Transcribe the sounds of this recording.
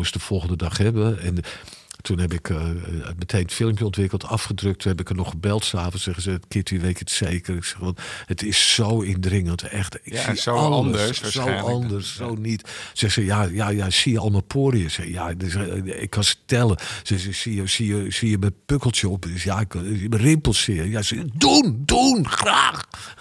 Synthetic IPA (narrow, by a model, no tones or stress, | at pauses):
əsdəfɔlˠɣəndədɑχhɛbəɛn | tʰunɦɛbɪkʰmətʰejnətfɪlˠəmpjəɔntʋɪkəlˠtʰɑfχədrøk̚tʰːunhɛbɪkənɔχəbɛlˠtsaːfənsɛɣəsətkɪːtiʋetətseːkərɪksɛxʋɑnhətɪsːowɪndrɪŋəntɛxtɪksiəsowɑndərsːownitsɛxsəjajajasiəɔlˠmapʰoːɾiəsɛxəja | ɪ̰kʰːɑsə̥tɛlˠəsɛəsiəsiəsiəməpøkəlˠtjəɔpsjaɪkmərɪmpəlˠsɪəjasɛdundunxraːx